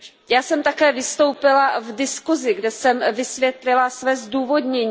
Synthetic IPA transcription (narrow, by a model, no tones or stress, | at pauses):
jaːsɛmt̪akɛːvɪst̪o̞wpɪlavdɪskuzɪɡdɛsɛmvɪsvjɛt̪lɪlasvɛːzduːvo̞dɲɛɲ